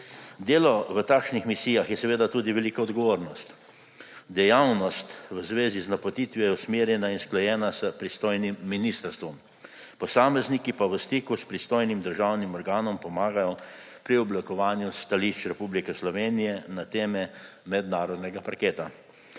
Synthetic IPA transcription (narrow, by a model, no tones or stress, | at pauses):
d̪eːlɔʋət̪akʃnixmisiːjaxjɛsɛʋeːd̪at̪uːd̪iʋɛliːkɔːd̪ɡɔʋoːɾnɔst̪ | d̪ɛjawnɔst̪ʋəzʋeːziznapot̪iːt̪ʋjɔjɛusmeːɾjɛnainsklɔjɛːnasəpɾist̪oːjnimːiniːst̪əɾst̪ʋɔm | pɔsaːmɛznikipaʋəst̪iːkuspɾist̪oːjnimd̪əɾʒawnimɔɾɡaːnɔmpɔmaːɡajɔ | pɾiɔblikɔʋaːnjust̪aliʃt͡ʃɾɛpublikɛslɔʋeːnijɛnat̪eːmɛmɛd̪naːɾɔd̪nɛɡapaɾkeːt̪a